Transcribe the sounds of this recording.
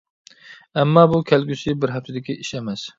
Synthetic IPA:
ɛmːɑːbukʲʰɛlɡʲysɪbɪɾɦæft̪ʰɪd̪ɪkʲiʔiʃɛmɛs

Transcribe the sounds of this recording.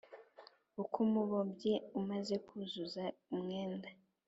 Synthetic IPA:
ukʰumuβobɟeumaze̞kʰuzuzaumŋeːnda

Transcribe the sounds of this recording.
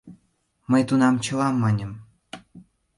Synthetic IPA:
mə̆jt̪unɑmt͡ɕɤ̆lɑmːɑnʲə̆m

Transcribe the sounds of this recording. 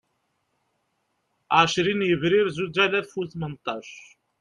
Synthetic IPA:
ʕaʃɾinjəvɾiɾzud͡ʒælæðfuθmənt̪ˤɑʃ

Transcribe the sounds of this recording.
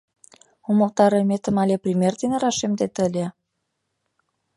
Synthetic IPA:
oməlt̪ɑɾɤmet̪ə̆mɑlʲeprʲimʲerd̪eneɾɑʃemd̪et̪ə̆lʲe

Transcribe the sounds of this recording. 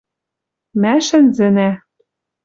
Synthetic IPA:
mæʃɘ̆nzɘ̆næ

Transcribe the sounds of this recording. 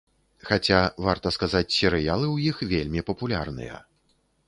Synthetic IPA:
xat͡sʲavart̪ɐskazat͡sʲsʲɛɾɨjalˠɨwjixvʲelʲmʲipɐpulʲa̰rnɨ̰jɐ̰

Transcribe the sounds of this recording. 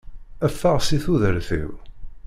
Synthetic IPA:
æfːaʁsiθuðəɾθḭw

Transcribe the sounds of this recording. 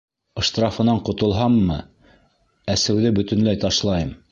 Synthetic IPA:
ɤ̆ʃt̪rɑfɤ̆nɑɴqŏt̪ŏlˠɦɑmːɤ | æsɘ̆wðɘbɵ̆t̪ɵ̆nlæjt̪ɑʃlˠɑjɤm

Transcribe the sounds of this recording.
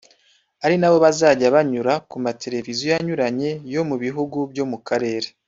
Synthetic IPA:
aɾinaβo̞βazaːɟaβaɲuɾakumatʰe̞ɾe̞vizjo̞jaɲuɾaɲe̞jo̞muβiɦuɡubjo̞mukaɾe̞ːɾe

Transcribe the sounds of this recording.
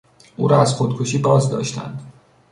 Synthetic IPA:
ʔuːɾɒæzxod̪̚kʰoʃiːbɒːzd̪ɒ̰ːʃt̪ʰæ̰nd̪

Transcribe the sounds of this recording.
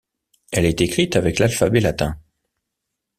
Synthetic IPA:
ɛlɛt̪ekχit̪avɛklalfabelat̪ɛ̰̃

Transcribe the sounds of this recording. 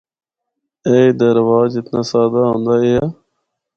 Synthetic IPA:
eːid̪əɾʋaːzd͡ʒɪt̪naːsaːd̪aːɦõːnd̪aːeːɦaː

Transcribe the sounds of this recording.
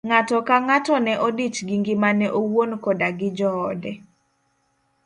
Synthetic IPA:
ŋatɔkaŋatɔnɛʔodit͡ʃɡiŋɡɪmanɛʔowonkɔdaɡɪd͡ʒɔːdɛ

